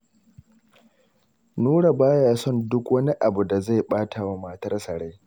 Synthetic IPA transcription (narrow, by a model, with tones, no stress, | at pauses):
nuː˦ɽa˨baː˦jaː˦sɔ˦˨ndʊ˦kwɐ˦ni˦ʔa˨bu˨da˨za˦˨jɓaː˦tʰa˨wa˦maː˦tɐ˦rsɐ˨ɽa˦